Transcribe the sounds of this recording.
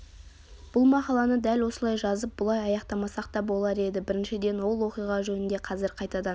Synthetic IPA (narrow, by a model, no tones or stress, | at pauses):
b̥ʊlˠmɑqɑlˠɑnəd̪ælwo̞səlˠɑjʒɑzəp̚bʊlˠɑjɑjɑqt̪ɑmɑsɑq̚t̪ɑbo̞lˠɑɾe̞d̪ɪbɪɾɪnʃɪd̪e̞nwo̞lˠwo̞qijʁɑʒɵnɪnd̪e̞qʰɑzɪɾqʰɑjt̪ɑd̪ɑn